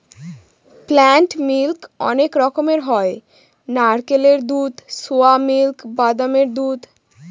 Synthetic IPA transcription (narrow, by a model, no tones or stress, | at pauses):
plaɳʈmilkɔ̰nekɾɔkomeɾɦɔe | naɾkeleɾd̪ud̪soamilkbad̪ameɾd̪ud̪